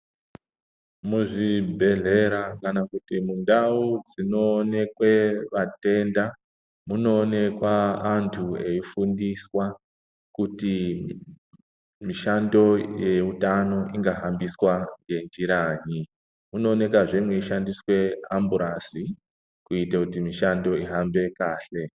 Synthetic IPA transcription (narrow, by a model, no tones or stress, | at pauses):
muʐibʱe̞ɮe̞ɾakanakutimundaud͡zino̞ne̞kwe̞ʋate̞nda | muno̞ːne̞kwaːntʰue̞ifundiswa | kuti | miʃando̞je̞utano̞ʔiŋɡaɦambiswaŋɡe̞nd͡ʒiɾaːɲi | muno̞ːne̞kaʐemwe̞iʃandiswe̞ambuɾasi | kuitakutimiʃando̞iɦambe̞kaːɬe̞